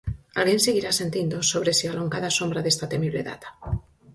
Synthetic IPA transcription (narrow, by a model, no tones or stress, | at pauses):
alɣjẽ̞nsiɣ̞iɾase̞nt̪jind̪osoβ̞ɾesialoŋkaðasõ̞mbɾaðe̞st̪at̪e̞miβle̞̰ða̰t̪ḁ